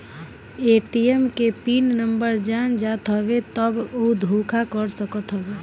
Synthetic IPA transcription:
eʈijemkepinnəmbəɾd͡ʒand͡ʒat̪ɦəβet̪əbod̪ʱukʰakəɾsəkət̪ɦəbe

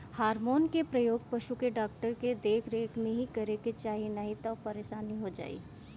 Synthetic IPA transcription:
haːɾmoːnkepɾɐjoːɡ̚pɐʃukeɖaːk̚ʈəɾked̪eːkʰɾeːkʰnẽɦikɐɾeket͡ʃaːɦinɐɦĩt̪ɐːpɐɾeʃaːniɦod͡ʒa̰ːḭː

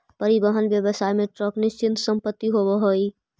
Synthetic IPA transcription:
pəɾibəɦənbjəbəsaːjmẽʈɾɔknɪst͡ʃɪnt̪səmpət̪ːiɦobəɦoi

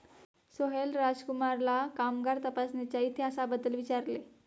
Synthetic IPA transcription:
soɦelɾad͡ʑkumaɾlakamɡaɾt̪əpasnet͡ɕjait̪ʰeəsabəd̪əlʋit͡ɕaɾle

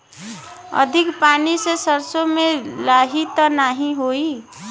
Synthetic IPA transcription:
ə̰d̪ʱikpanisesəɾsomelaɦit̪ənaɦĩɦoi

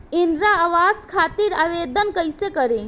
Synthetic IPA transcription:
ɪnɾaaʋaːzkʰaːt̪iɾaːʋeːd̪ənkəjsekəɾe

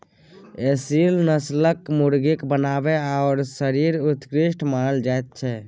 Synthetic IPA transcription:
esilnəsləkmuɾɡikbənabeaɔɾsəɾiɾut̪kɾiʃʈʰmanəld͡ʒaet̪̚t͡ʃʰɛ

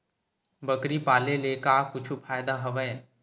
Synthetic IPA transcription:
bəkɾipaːlelekakʊt͡ʃʰupʰaːjd̪aɦɐʋəe

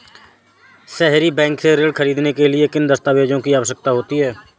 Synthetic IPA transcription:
sɛɦɾibɛ̃ːŋkseɾeːɖkʰəɾiːd̪nekelɪekɪnd̪əst̪aːʋeːd͡ʒõkiaːʋəʃək̚t̪aɦoːt̪iɦɛː

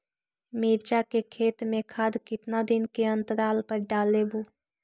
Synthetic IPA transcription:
miːɾd͡ʒakekʰeːt̪mẽkʰaːd̪kɪt̪nad̪ɪnkeə̃nt̪əɾaːlpəɾɖaːlebuː

